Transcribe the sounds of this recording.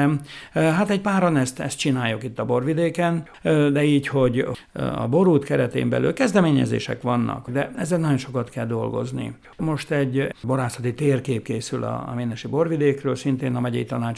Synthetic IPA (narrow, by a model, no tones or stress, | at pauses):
ɛmɦat̪ɛɟpaːɾonɛst̪ɛst̪t͡ʃinaːjːukit̪ːɒbo̞rvid̪eːkɛn | d̪ɛiːcho̞ɟ | ɒ̰bo̞ɾuːt̪kɛɾɛt̪ḛːmbɛ̰ly̰lkɛzd̪ɛmeːɲɛ̰zḛːʃɛ̰kʋɒnːɒ̰kd̪ɛɛzːɛlnɒjonʃo̞kɒt̪kɛld̪o̞lɡo̞̰znḭ | mo̞ʃt̪ɛɟbo̞ɾaːsɒt̪it̪eːrkeːp̚keːsylɒ̰meːnɛʃibo̞rvid̪eːkrøːlsint̪eːnɒmɛɟɛ̰jit̪ɒnaːt͡ʃ